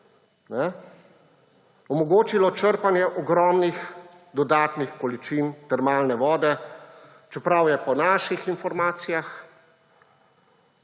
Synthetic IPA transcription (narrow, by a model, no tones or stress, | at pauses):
nɛ | ɔmɔɡoːt͡ʃilɔt͡ʃəɾpanjɛʔɔɡɾɔːmnix | d̪ɔd̪aːt̪nixkɔlit͡ʃint̪ɛɾmaːlnɛʋɔːd̪ɛ | t͡ʃɛpɾawjɛpɔnaːʃixinfɔɾmaːt̪sijax